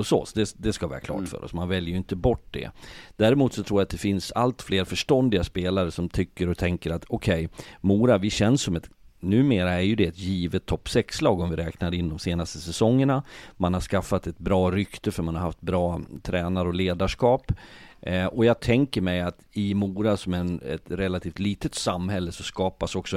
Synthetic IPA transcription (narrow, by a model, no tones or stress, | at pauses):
ɔsɔ̰sd̪ɛd̪ɛskavɛ̰ːɾa̰kʰlɑ̰ːʈfœ̰ːɾɔ̰smanvɛljəjʏɪnt̪əbɔʈːd̪ɛ̰d̪̥æːɾɪmuːt̪sɔt̪ʰɾuːjat̪̚d̪ɛfɪnsa̰lt̪fleːɾfœʂʈɔnd̪ɪɡaspeːlaɾəsɔmt̪ʰʏkːəɾɔt̪ʰɛŋkəɾat̪ʰɔkʰɛjmuːɾavɪɕɛnsːɔmɛt̪nʉ̟ːmeːɾaæɾjɵd̪ɛːt̪jiːvət̪ʰːɔpːsɛkslɑːɡɔmvɪɾɛːknaɾɪnːd̪ɔmseːnast̪əsɛsɔŋːəɳamanhaɾʂkafːat̪ɛt̪̚bɾɑːɾʏkt̪əfœɾmanhaɾha̰ft̪̚bɾɑːt̪ʰɾɛːnaɾɔleːd̪aʂkɑːp | ɔjɑːɡ̚t̪ʰɛŋkəɾmɛjat̪ɪmuːɾasɔmæɛ̰t̪ɾɛlːat̪ʰiːft̪liːt̪ət̪samːhɛlːəsɔskɑːpasɔksɔ